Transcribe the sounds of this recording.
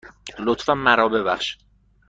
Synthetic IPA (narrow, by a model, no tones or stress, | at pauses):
lot̪fænːæɾɒːbe̞bæχʃ